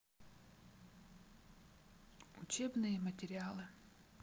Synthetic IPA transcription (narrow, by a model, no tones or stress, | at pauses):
ʊt͡ɕebnɨjəmətʲɪɾʲɪalˠɨ